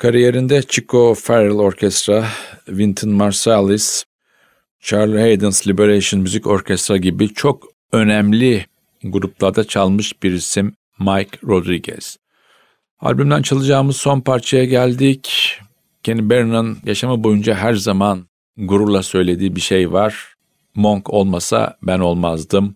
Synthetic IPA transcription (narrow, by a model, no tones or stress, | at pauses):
kʰaɾije̞ɾind̪ɛt͡ʃʰikʰofeɾɯlˠo̞ɾcʰɛst̪ɾavint̪ʰɯnmaɾsalˠis | t͡ʃʰaɾlʲˠhejd̪ɯnslʲibeɾejʃɯnmyzico̞ɾcʰɛst̪ɾaɟibit͡ʃʰo̞k | ø̞næmlʲi | ɡuɾuplˠaɾd̪at͡ʃʰalˠmɯʃb̥iɾisimː | ajkɾo̞d̪ɾiɟɛ̰z̥ | a̰lʲbymd̪ænt͡ʃʰalˠɯd͡ʒaːɯmɯz̥so̞npʰaɾt͡ʃʰajaɟælʲd̪ic | cʰenibeɾnɯnjaʃamɯbo̞jund͡ʒaɦæɾzaman | ɡuɾulˠasø̞jlʲe̞d̪iːbiʃe̞jvaɾ̥ | mo̞ŋkʰo̞lˠmasa̰bæno̞lˠmazd̪ɯm